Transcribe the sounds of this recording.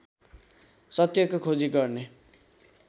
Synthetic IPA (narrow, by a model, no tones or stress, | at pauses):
sʌt̪jʌkokʰod͡ziɡʌrne